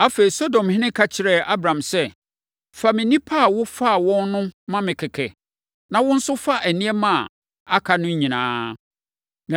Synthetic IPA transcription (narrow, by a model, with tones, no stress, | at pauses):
a˦feː˨i˨so˦dɔ̃˨mhɪ̃˦nɪ̃˦kʰa˦t͡ɕʰɪ˨ɾɛ˨ʔa˦bɾã˨msɛ˦ | fa˨mɪ̃˨nĩ˦pʰa˦˨wʊ˦fa˦˨wɔ̃˦nnʊ̃˦mã˦mɪ̃˨kʰɪ˨kʰɛ̰˨ | nã˨wʊ̃˦n̩˦sʊ˦fa˦ʔæ˨nĩ˦ɛ˦mã˦˨ | a˦kʰa˨nʊ̃˦ɲĩ˨nã̰ː˦ | nã˨